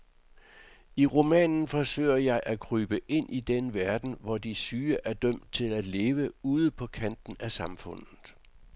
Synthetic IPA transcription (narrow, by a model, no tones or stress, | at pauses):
iʁo̝mɛ̰ːnn̩fɒ̽sø̰ɪ̰ɐjɑ̈ɪʔækʰʁyːb̥əʔe̝n̰ʔid̥enəʋæɐd̥n̩ʋɒd̥isyːəʔæɐd̥œm̰d̥̚t͡sʰe̝læd̥le̝ːʋəuːð̩ˠəpʰɒ̽kʰæn̰d̥n̩æsɑ̈mfɔ̽n̰ðð̩ˠ